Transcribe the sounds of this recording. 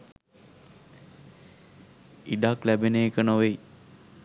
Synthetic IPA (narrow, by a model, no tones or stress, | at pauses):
iɖaklæbeneːkənoʋej